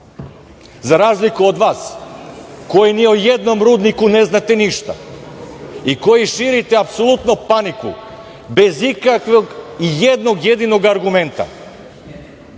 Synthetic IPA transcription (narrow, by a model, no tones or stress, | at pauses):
zaɾaːzlikuod̪ʋaːs | ko̞jiniojed̪no̞mɾuːd̪nikune̞znat̪eniʃt̪a̰ | iko̞jiʃiɾit̪eapsolˠut̪nopanikṵ | be̞zikakʋoɡijed̪noɡje̞d̪ino̞ɡaɾɡume̞nt̪a̰